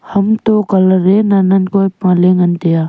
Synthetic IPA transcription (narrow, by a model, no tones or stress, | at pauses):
hɐmt̪okɐləɾenanɐnkoːpãːleŋɡənt̪ejaː